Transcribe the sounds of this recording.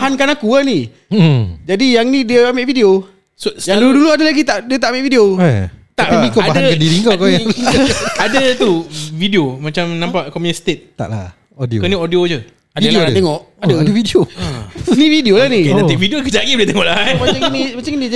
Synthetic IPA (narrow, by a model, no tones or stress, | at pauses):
aɦankanakuani | d͡ʒadijaŋnidiəamaʔvidio | sosjaduduluadəlaɡit̪aʔdiət̪aʔameʔvidiot̪aʔikoabaɦdaəkədiɾiŋkokoa | adət̪uvidiomat͡ʃamnãmpaʔkoməst̪et̪̚t̪a̰ʔla | odikəniʔodiod͡ʒə | adt̪eŋɔʔ | adədəvidio | nividiolahnidaevidiokəd͡ʒaɡiʔdiət̪eŋɔʔlaat͡ʃaŋnimat͡ʃaŋni